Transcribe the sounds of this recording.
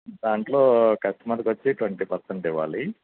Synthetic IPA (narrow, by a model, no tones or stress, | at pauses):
d̪aːɳʈloːkɐsʈɐmaːɾɐkʋɐt͡ʃːiʈʋɐɳʈiːpɐɾseɳʈiʋːa̰ːli